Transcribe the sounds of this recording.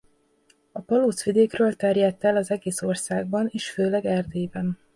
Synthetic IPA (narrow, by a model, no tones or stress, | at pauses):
ɒpɒloːt̪sʋid̪eːkrøːlt̪ɛrjɛt̪ːɛlɒzɛɡeːso̞rsaːɡ̚bɒneːʃføːlɛɡɛrd̪eːjbɛn